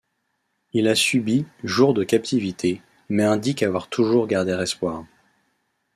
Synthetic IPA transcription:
ilasybiʒuʁd̪əkap̚t̪ivit̪ʰe | mɛɛ̃d̪ikavwaʁt̪ʰuʒuʁɡaʁd̪eʁɛspwaʁ

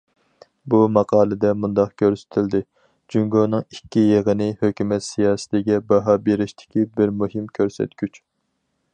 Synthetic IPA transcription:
bumɑqʰɑːlˠɨd̪ɛmund̪ɑqkʲʰøɾsɪ̥t̪ʰɪld̪ɪ | d͡ʒyŋɡoːnɨŋikʲːijeʁənɪhøkʲymɛt̪sijɑːsɪ̥t̪ʰɪɡʲɛbɑɦɑbeɾɪʃt̪ʰɪ̥kʲibɪɾmuɦɪmkʲʰøɾsɛ̰t̪ɡʲyt͡ʃ

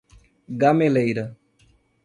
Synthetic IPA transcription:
ɡamelejɾɐ

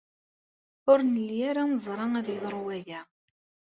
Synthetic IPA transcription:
ʊɾnəlːijaɾaməzˤɾˤɑŋæðjəðˤɾˤwæʝæ

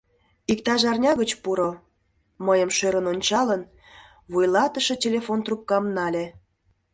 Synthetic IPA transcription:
ikt̪ɑʒɑrnʲɑɣət͡ɕpuɾo | məjəmʃøɾənonʲt͡ɕɑlən | βujlɑt̪əʃɤtʲelʲefont̪rup̚kɑmnɑlʲe

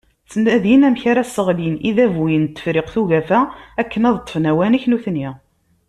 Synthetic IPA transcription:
t͡sːənːæðjinæmçaɾæsːəʁliniðævujənt̪ːə̥fɾɪqθuʝæfæækːənɑðt̪ˤːə̥fnæwæniçnuθnːi

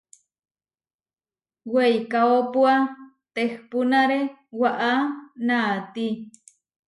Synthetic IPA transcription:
wejkaopua | t̪ehpunaɾewaʔanaːt̪i

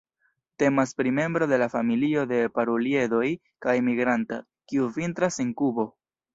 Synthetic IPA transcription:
te̞maspɾime̞mbɾo̞de̞lafamilio̞de̞paɾolie̞do̞j | kajmiɡɾanta | kiuvintɾase̞ŋkubo̞

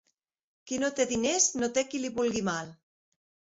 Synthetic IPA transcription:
kinot̪eðineznot̪ekiliβulɣimal

